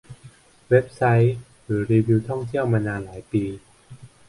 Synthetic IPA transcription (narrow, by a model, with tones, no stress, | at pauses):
we˦˥p̚sa˦˥j | ɾɯː˩˦ɾiː˧wiː˧wt̪ʰɔ˥˩ŋt̪ʰi˥˩əwmaː˧naː˧nlaː˩˦jpiː˧